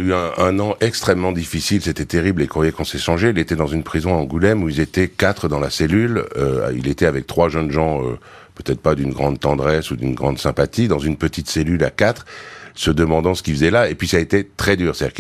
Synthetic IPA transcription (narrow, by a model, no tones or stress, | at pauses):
yɛ̃ɛ̃nɑ̃ʔɛkst̪χɛmːɑ̃d̪ifisilset̪ɛt̪eʁiblekχwajɛkɔ̃sɛʃɑ̃ʒeilet̪ɛd̪ɑ̃zynpχizɔ̃aɑ̃ɡulɛmuilzet̪ɛkat̪χəd̪ɑ̃laselylø̰ḭlet̪ɛavɛk̚t̪χwaʒənʒɑ̃ø̰ | pøt̪ɛt̪χpad̪ynɡʁɑ̃d̪̚t̪ɑ̃d̪ʁɛsud̪ynɡʁɑ̃d̪sɛ̃pat̪id̪ɑ̃zynpət̪it̪selylakat̪χsəd̪əmɑ̃d̪ɑ̃sə̥kʲifəzɛlaepɥisaet̪et̪χɛd̪yːʁst̪ad̪iʁk